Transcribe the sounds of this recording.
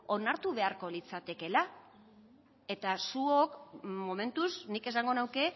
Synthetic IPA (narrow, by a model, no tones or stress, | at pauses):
o̞naɾt̪uβe̞aɾko̞lit͡sat̪e̞ke̞la | e̞t̪asuokmo̞me̞nt̪usnike̞saŋɡo̞nawke̞